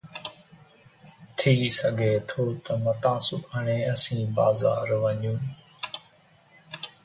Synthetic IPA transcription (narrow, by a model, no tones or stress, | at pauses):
t̪ʰiːsəɡʱeːt̪ʰoːt̪əmət̪ãːsʊkʰəɳeːəsĩːba̰ːza̰ːɾʋəɲũː